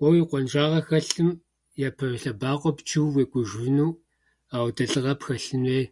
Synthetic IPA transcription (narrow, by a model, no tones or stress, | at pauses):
ʔʷʼɔwiqʷɔnʒaːʁɐxɐɬɨm | japʰɐrɬɐbaːqʷɔpt͡ʃʰiwweːkʷʼʊʒvɨnuː | aːwdɐɬʼɨʁɐpxɐɬɨneː